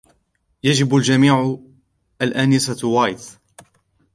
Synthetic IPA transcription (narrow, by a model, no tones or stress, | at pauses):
jad͡ʒɪbald͡ʒamiːʕ | ʔalʔanɪsawaːjt̪